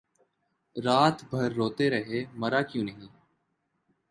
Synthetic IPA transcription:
ɾaːt̪bʱəɾːoːt̪eːɾəɦeːməɾaːkjũːnəɦĩː

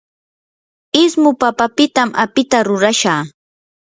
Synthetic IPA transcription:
ɪsmʊpapapɪt̪amapɪt̪aɾʊɾaʃaː

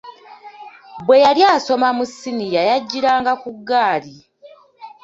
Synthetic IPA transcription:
bwe̞jaljaːso̞mamusinijajaɟːiɾaːŋɡakuɡːaːli

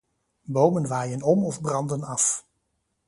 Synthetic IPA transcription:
bowmənʋaːjənɔmɔvbrɑndənɑf

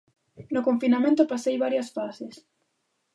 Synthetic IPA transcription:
nokoɱfinamẽnt̪opasejβaɾjɐsfasɪs

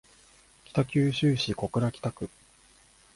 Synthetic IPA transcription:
kʲi̥t̪akʲɨːɕɨːɕiko̞kɯ̟ɾakʲi̥t̪akɯ̟

